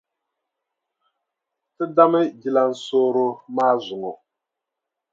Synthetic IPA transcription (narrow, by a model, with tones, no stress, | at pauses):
tɨ˦da˦mɨ˦d͡ʒi˦la˨n̩˦soː˦ɾʊ˦maː˦zʊ˨ŋo˨